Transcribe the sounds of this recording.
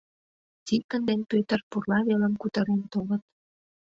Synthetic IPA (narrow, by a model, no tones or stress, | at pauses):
t̪ikənd̪enpøt̪ərpurlɑβeləmkut̪əɾent̪oɣət̪̚